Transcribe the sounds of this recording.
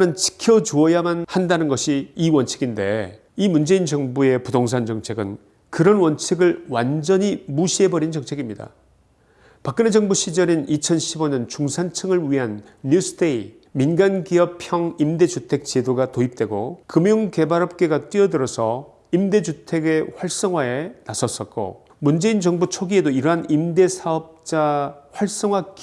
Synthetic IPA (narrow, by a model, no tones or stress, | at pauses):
nɯnt͡ɕi̥kʰjʌd͡ʑuʌjamanhandanɯnɡʌɕʰiːwʌnt͡ɕʰiɡinde̞̰ | imund͡ʑe̞ind͡ʑʌŋbue̞pudoŋs̬ʰand͡ʑʌŋt͡ɕʰe̞ɡɯn | kɯɾʌnwʌnt͡ɕʰiɡɯɭwand͡ʑʌɲimuɕʰiɦe̞bʌɾint͡ɕʌŋt͡ɕʰe̞ɡimɲida̰ | pak͈ɯned͡ʑʌŋbuɕʰid͡ʑʌɾinit͡ɕʰʌnɕʰiboɲʌnt͡ɕuŋsʰant͡ɕʰɯŋɯɭɥiɦanː | us͈ʰdei | minɡanɡiʌpʰjʌŋimde̞d͡ʑutʰe̞k̚t͡ɕedoɡatoip̚t͈we̞ɡokɯmjoŋke̞baɾʌp̚k͈e̞ɡat͈wiʌdɯɾʌsʰʌ | imde̞d͡ʑutʰe̞ɡe̞ɸwaɭs͈ʌŋɦwae̞nasʰʌs͈ʌt̚k͈o̰ | mund͡ʑe̞ind͡ʑʌŋbut͡ɕʰoɡie̞doiɾʌɦanimde̞sʰaʌp̚t͡ɕ͈aɸwaɭs͈ʌŋɦwak